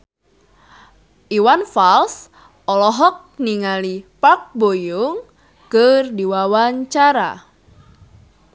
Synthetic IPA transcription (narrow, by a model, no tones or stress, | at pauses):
ʔiwanfals | ʔɔlɔɦɔk̚niŋalipak̚bojuŋ | kɨrdiwawaɲt͡ʃaɾa̰